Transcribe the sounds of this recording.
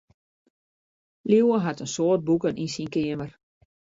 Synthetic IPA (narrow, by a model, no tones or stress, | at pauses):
liwəɦatənsoət̚bukənʔinsinkɪəmər